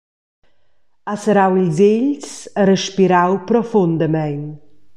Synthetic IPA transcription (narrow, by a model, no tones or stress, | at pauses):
asəɾawilzɪʎsəɾəʃpiɾawpɾɔfʊndəmɛjn